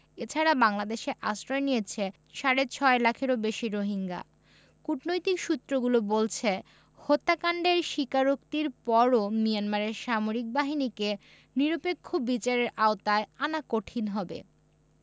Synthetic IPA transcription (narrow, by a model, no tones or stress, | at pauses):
et͡ɕʰaɾabaŋlad̪eʃeʔasɾɔenijet͡ɕʰe | ʃaɾet͡ɕʰɔelakʰeɾobeʃiɾoɦiŋɡa̰ | kuʈnojt̪ikʃut̪ːɾoɡulobolt͡ɕʰe | hot̪ːakaɳɖeɾʃikaɾokt̪iɾpɔɾomijanmaɾeɾʃamoɾik̚baɦinike | niɾopekʰːobit͡ɕaɾeɾaot̪aeanakoʈʰinɦɔbḛ